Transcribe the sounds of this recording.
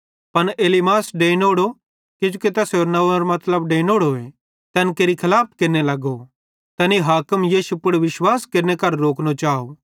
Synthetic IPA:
pɐneːlimaːsɖeːnoːɽo | kɪd͡ʒuket̪ɛseɾnɐɐɾmɐt̪ləbɖeːnoːɽoe | t̪ɛːnkeːɾikʰɐlaːp̚ʰkeːɾnelɐɡo | t̪ɛːniɦaːkəmjiːʃupʊɽʋɪʃwaːskeːɾnekɐɾːoːknot͡ʃaːo

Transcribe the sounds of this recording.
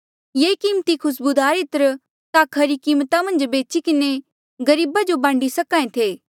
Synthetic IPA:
jeːkiːmt̪ikʰʊsbud̪aːɾɪt̪əɾ | t̪akʰɐɾikiːmt̪amɐ̃nd͡ʒbeːt͡ʃikɪne | ɡɐɾiːbad͡ʒobãːɳɖisɐkãːẽt̪ʰeː

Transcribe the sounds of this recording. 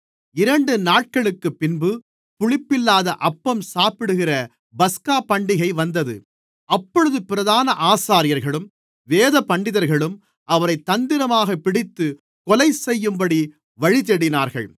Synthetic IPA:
ɪɾɐɳɖɯnaːʈ̚kɐɭɯkːɯpːɪnbɯ | pʊɻɪpːɪlːaːðɐʔɐpːɐmsaːpɪɽɯɣɪrɐ | bɐskaːpɐɳɖɪɣɐɪʋɐnd̪ɐðɯ̰ | ɐpːɔɻɯðɯpɪɾɐðaːnɐʔaːsaːɾɪjɐɾɣɐɭɯm | ʋeːðɐpɐɳɖɪðɐɾɣɐɭɯm | ʔɐʋɐɾɐɪt̪ːɐnd̪ɪɾɐmaːɣɐpːɪɽɪt̪ːɯ | kɔlɐɪsɛjːɯmbɐɽi | ʋɐɻɪt̪ɛɽɪnaːɾɣɐ̰ɭ

